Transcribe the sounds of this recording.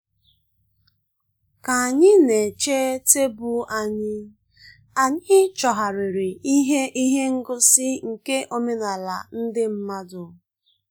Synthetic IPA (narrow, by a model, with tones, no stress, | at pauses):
ka˨a˨ɲɪ˦ne˨t͡ʃe˦te˦bu˦a˨ɲɪ˦ | a˨ɲɪ˦t͡ʃɔ˨ɦa˨ɾɪ˨ɾɪ˨i˦ɦe˦ʔi˦ɦe˦ŋ̩˦ɡʊ˦sɪ˦ŋ̩˨ke˦ʔo˦me˦na˨la̰˨n̩˦dɪ˦m̩˦ma˦dʊ˨